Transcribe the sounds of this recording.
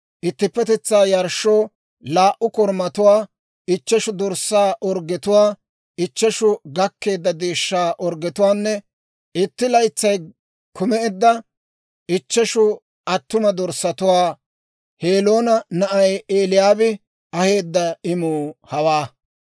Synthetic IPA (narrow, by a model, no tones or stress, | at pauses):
ʔɪt̪ːɪpːɛt̪ɛt͡sːaːjɐɾʃːoː | laːʔʊkɔɾmɐt̪ʊwaː | ɪt͡ʃːɛʃʊd̪ɔɾsːaːʔɔɾɡɛt̪ʊwaː | ɪt͡ʃːɛʃʊɡɐkːe̞ːd̪ːɐd̪eːʃːaːʔɔɾɡɛt̪ʊwaːnːɛ | ɪt̪ːɪlɐjt͡sːɐj | kʰʊmɛɛd̪ːɐ | ʔɪt͡ʃːɛʃʊ | ɐt̪ːʊmɐd̪ɔɾsːɐt̪ʊwaː | heːlo̞ːnɐnɐʔɐjeːlɪjaːbɪ | ɐhe̞ːd̪ːɐɪmuːhɐwaː